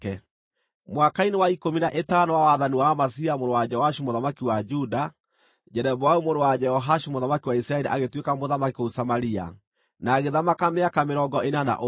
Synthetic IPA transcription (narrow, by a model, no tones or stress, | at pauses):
ɛ | mwakainewaikominaʔetanɔwawaðaniwamas̬iamoɾowad͡ʒɛɔhaʃimoðamakiwad͡ʒuda | d͡ʒɛɾɛβawaumoɾowad͡ʒɛɔɦaʃimoðamakiwaisɾaɛɾiʔaɣetwekamoðamakiousamaɾia̰ | naɣeðamakameakameɾɔɡɔʔenana̰ʔo